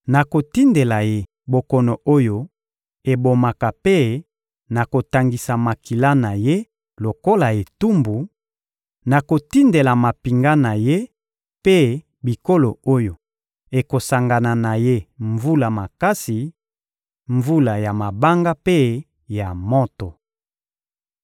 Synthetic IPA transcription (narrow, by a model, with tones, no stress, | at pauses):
na˨ko˨ti˦nde˨la˨je˦ | bo˨kɔ˨no˨ʔo˦jo˨ | e˨bo˨ma˨ka˨pe˦ | na˨ko˨ta˨ŋɡi˨sa˨ma˨ki˨la˦na˨je˦ | lo˨ko˦la˨e˨tu˦mbu˨ | na˨ko˨ti˦nde˨la˨ma˨pi˨ŋɡa˦na˨je˦ | pe˦ | bi˨ko˦lo˨o˦jo˨ | e˨ko˨sa˨ŋɡa˨na˨na˨je˦ɱvu˦la˨ma˨ka˦si˨ | ɱvu˦la˨ja˨ma˨ba˦ŋɡa˦pe˦ | ja˨mo˦to˨